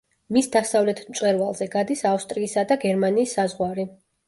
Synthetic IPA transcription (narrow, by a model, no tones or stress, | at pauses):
misd̪asavlɛt̪ʰmt͡ʃsʼwɛɾvalˠzɛɡad̪isafst̪ʼɾiːsad̪aɡɛɾmaniːsːazʁwaɾi